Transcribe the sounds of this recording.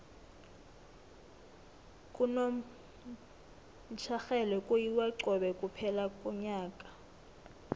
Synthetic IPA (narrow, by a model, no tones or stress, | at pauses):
kʼuno | t͡ʃʰaxɛlɛkʼujiwaǀɔɓɛkʼupʰɛlakʼɔɲaːkʼḁ